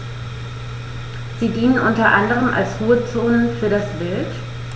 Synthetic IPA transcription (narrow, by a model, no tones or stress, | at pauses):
z̥iːdiːnənʔʊntɐʔandəʁəmʔa̰lsʁuːət͡soːnənfyːɐdasb̥ɪlt